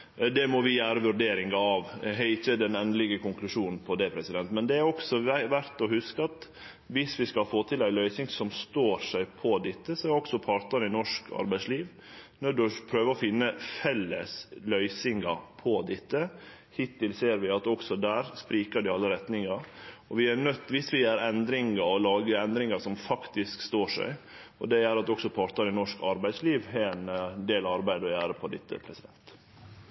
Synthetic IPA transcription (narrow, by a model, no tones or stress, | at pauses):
d̪ɛmɔʋɪjæːɾəʋʉɾɖeːɾɪŋɡɑɑʋɦɛɪçəd̪ɛnɛnəlɪɡəkʰʊŋklʉʂuːnn̩pʰɔd̪ɛpʰɾɛsɪd̪ɛnt̪mɛnd̪ɛæɾɔksɔʋæɾt̪ɔhʉskəɑt̪ | ʋɪsʋɪskɑlfoːt̪ʰɪlæɪlœʏsɪŋsɔmst̪oːɾʂæɪpʰɔd̪ɪt̪ːəsɔæɾɔksɔpʰɑɾt̪əɾnɪnɔʂkʰɑ̰ɾbæɪsliːʋ | nɔɖʉpʰɾøːʋəɾɔfɪnːəfɛlːə̰slœʏsɪŋɑpʰɔd̪ɪt̪ːə | hɪt̪ʰːɪlseːɾʋɪɑt̪ɔksɔd̪æːɾspɾiːkəɖɪɑlːəɾɛt̪nɪŋɑɔʋɪæɳœt̪ːʋɪsʋɪjæːɾɛnd̪ɾɪŋɑɔlɑːɡəɛnd̪ɾɪŋɑsɔmfɑkt̪ɪskst̪oːʂæ̰ɪ | ɔ̰d̪ɛjæːɾɑt̪̚ɔksɔpʰɑːɾt̪əɾɪnɔʂkɑɾbæɪsliːʋhɛɛnd̪eːlɑɾbæɪd̪ɔjæːɾəpʰɔd̪ɪt̪ːə̰pʰɾɛsɪd̪ɛ̰nt̪